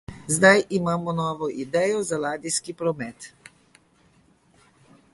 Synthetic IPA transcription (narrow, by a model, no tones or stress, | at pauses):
zd̪ajʔimaːmɔnɔːʋɔʔid̪ɛːjɔzalaːd̪iskipɾɔmɛːt̪